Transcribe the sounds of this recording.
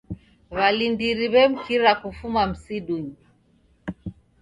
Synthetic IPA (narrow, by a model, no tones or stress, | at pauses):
βalindiɾiβɛm̩kiɾakufumam̩siɗuɲi